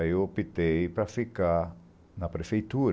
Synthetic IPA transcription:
jopit̪ejpɾafika | napɾefejt̪uɾ

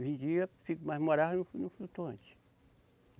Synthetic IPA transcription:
ʒĩd͡ʒiɐfikumajzmoɾaɦnʊnʊflut̪õnt͡ʃɪ̥

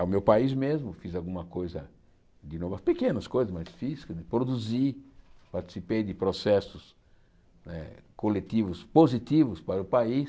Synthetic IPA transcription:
awmewpaizmezmʊfizawɡũmɐkojzɐ̰ | d̪ɪnovɐpekẽnɐskojzɐsmasfiz̥kɐd̪ɪpɾod̪uzipaɾt̪i̥sipejd̪ɪpɾosɛsʊs | nɛ̰kolet̪ivʊspozit̪ivʊspaɾʊpais

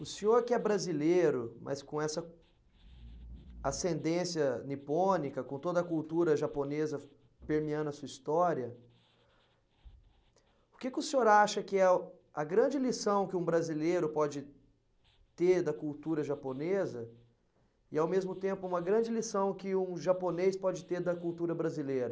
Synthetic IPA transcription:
ʊsẽɲoɾkɪɛbɾazileɾʊmʔɐ̰skõɛsɐ | asẽnd̪ẽsjɐnipõnikɐkõt̪od̪ɐkult̪uɾɐʒaponezɐ | peɾmiɐ̃nd̪ɐsuɐist̪ɔɾiɐ | ʊkekɪʊsẽoɾaʃɐkɪɛ | ɐɡɾɐ̃d͡ʒɪlisɐ̃w̃kɪũbɾazilejɾʊpɔd͡ʒɪ | t̪eɾd̪ɐkuwt̪uɾɐʒaponezɐ | ɪawmezmʊt̪ẽmpʊũmɐɡɾɐ̃d͡ʒɪlisɐ̃w̃kɪũʒaponejspɔd͡ʒɪt̪eɾd̪ɐkuwt̪uɾɐbɾazilejɾɐ

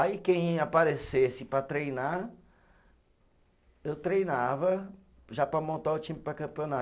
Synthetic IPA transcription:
aikẽj̃apaɾesesɪpɾɐt̪ɾejna | ewt̪ɾejnavɐ | ʒapɾɐmõnt̪aʊt͡ʃĩmʊpɾɐkɐ̃mpiona

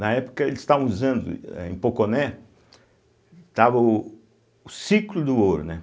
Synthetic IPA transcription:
nɐɛpʊ̥kɐelɪz̥st̪avɐ̃uzɐ̃nd̪ʊ̰ɛ̰ḛ̃j̃pokonɛ | t̪avɐʊ | ʊsiklʊd̪ʊoɾʊ̰nɛ

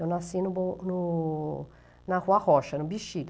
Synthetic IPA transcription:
ɔnasinubunu | naxwaxɔʃːanubiʃːid̪

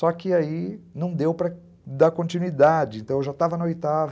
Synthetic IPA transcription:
sɔkɪainɐ̃w̃d̪ewpɾɐ | d̪akõnt͡ʃinwid̪ad͡ʒɪẽnt̪ɐ̃w̃ewʒat̪avɐnɐojt̪av

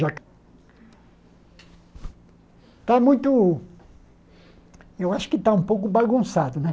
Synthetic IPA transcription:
ʒak | t̪amũj̃t̪ʊ | ewaʃʊ̥kɪt̪aũpowkʊbaɡũsad̪ʊnɛ

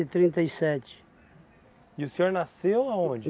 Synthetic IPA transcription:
ɪt̪ɾĩnt̪ɐisɛt͡ʃɪ̥ | ɪʊsẽoɾnasewaõd͡ʒ

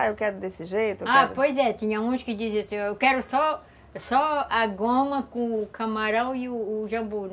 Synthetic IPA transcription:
aewkɛɾʊd̪esɪʒejt̪ʊapojzɛt̪ĩɲɐũskɪd͡ʒ̪iz̃ɐsĩewkɛɾʊsɔ | sɔaɡõmɐkõkʰɐmaɾɐ̃w̃iʊːʒɐ̃mbuɾ

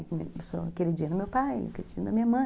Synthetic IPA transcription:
kmeso̰keɾid͡ʒĩnd̪umewpaj̰keɾid͡ʒḭ̃nɐmĩɲɐmɐ̃

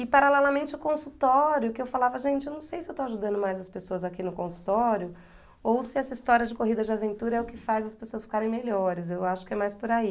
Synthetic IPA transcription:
ɪpaɾalɛlɐmẽnt͡ʃɪʊkõsut̪ɔɾjʊkɪewfalavɐʒẽnt͡ʃɪewnɐ̃w̃sejsɪewt̪owaʒud̪ɐ̃nd̪ʊmajzɐspesoɐzakinʊkõsu̥t̪ɔɾjʊ | owsɪɛsɐist̪ɔɾiɐd͡ʒɪkoɦid̪ɐd͡ʒɪavẽnt̪uɾɐɛʊkɪfajzɐspesoɐsfi̥kaɾẽj̃meʎɔɾɪzewaʃʊ̥kɪɛmajspʊɾai

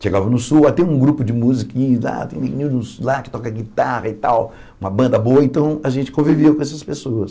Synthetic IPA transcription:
ʃeɡavɐnʊsuwat̪ɛ̃ũɡɾupʊd͡ʒɪmuzikĩɲʊzla̰t̪ẽj̃nẽnĩũslakɪ̥t̪ɔkɐɡit̪ahɐɪt̪aw | ũmɐbɐ̃nd̪ɐboɐẽnt̪ɐ̃w̃ɐʒẽnt͡ʃɪ̥kõviviwkõɛsɐspesoɐs

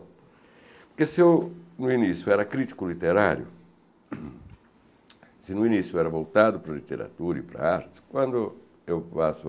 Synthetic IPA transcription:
pɾkesewnʊinisjʊɛɾɐakɾit̪i̥kʊlit̪eɾaɾjʊ̰ | sɪnʊinisjʊɛɾɐvowt̪ad̪ʊpɾɐlit̪eɾa̰t̪uɾɐipɾɐ̰aɾt̪ɪ̥skwãnd̪ʊ | ewpasʊ

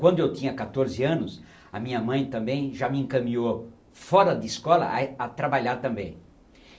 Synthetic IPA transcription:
kwɐ̃nd̪ʊewt̪ĩɲɐkat̪oɾzɪɐ̃nʊs | ɐ̰mĩɲɐmɐ̃j̃t̪ɐ̃mbẽj̃ʒamɪẽŋkɐmĩɲo | fɔɾɐd̪ɪiskɔlɐ̰ʔat̪ɾabaʎaɾt̪ɐ̃mbẽj̃

